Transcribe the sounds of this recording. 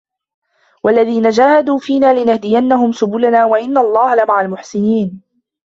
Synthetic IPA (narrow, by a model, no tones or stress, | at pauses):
walːaðiːnad͡ʒaːhad̪uːfiːnaːlɪnahd̪ɪjanːahʊmsʊbʊlanaːwaʔɪnːaɑlˤːɑːhalamaʕalmʊħsɪniːn